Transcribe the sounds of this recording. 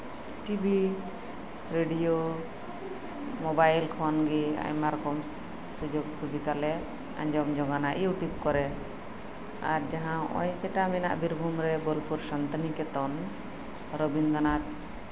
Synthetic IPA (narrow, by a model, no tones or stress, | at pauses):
ʈibi | ɾeɖijo | mɔbajlkʰɔnɡia̰jmaɾkɔm | sud͡ʒoɡsubid̪alɛ | a̰ɲd͡ʒɔmd͡ʒɔɡanaʔḭuwʈip̚kɔɾɛ | a̰ɾd͡ʒaɦãɔ̰jkɛʈamɛna̰ʔbiɾbʱumɾɛbɔlpuɾsant̪ənikɛt̪ɔn | ɾɔbinɡ̪anat̪̚